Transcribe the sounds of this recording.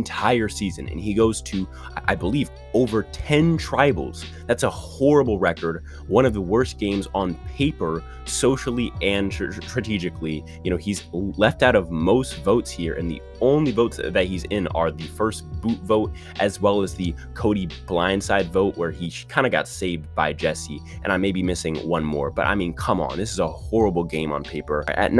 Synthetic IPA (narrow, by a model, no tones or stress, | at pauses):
ntʰaɪə˞sizɨ̰̃nɨ̰̃niɡoʊz̥tʰɨ | ʔa̰ɪbəliv | oʊvə˞tʰɛ̃ntʰɹ̥aɪbl̩ˠz̥ | ðætsəhɔɹəbl̩ˠɹɛkə˞d̚ | wʌ̃ɾ̃ʌvðəwɜ˞sɡ̥ẽɪ̃mzn̩pʰeɪpə˞ | soʊʃl̩ˠiɨ̃ntɹ̥ɨtʰid͡ʒɨkli | jɨñoʊizlɛftaʊɾʌvmoʊstv̥oʊtshiɹʔɨ̰̃nðḭ | õʊ̃nlivoʊtsðɨt̚hizɪ̃nə̰˞ðɨfɜ˞st̚b̥utvoʊɾ | ʔɨzwɛlˠəzðɨ | kʰoʊɾib̥lãɪ̃nd̥saɪdvoʊʔwə˞ikʰãɪ̃ndɨɡɑ̰tseɪvd̚baɪd͡ʒɛsi | ʔɨ̰̃ñãɪmeɪbimɪsɪ̃ŋwʌ̃nmɔ̰ɹb̥ʌɾʔa̰ɪmĩnkʰʌ̃mə̰̃nðɪsɨzəhɔɹəbl̩ˠɡẽɪ̃mə̰̃npʰeɪpə˞ɨ̰ʔⁿ